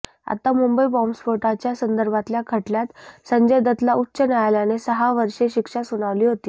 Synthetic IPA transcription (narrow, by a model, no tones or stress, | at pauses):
a̰t̪amumbəibɔmspoʈat͡ɕjasənd̪əɾbʱat̪ljakʰəʈljat̪səɲd͡ʑəjd̪ət̪lautːɕənajljanesəɦaʋəɾʂeɕikʂasuɽ̃aʋliːɦot̪iː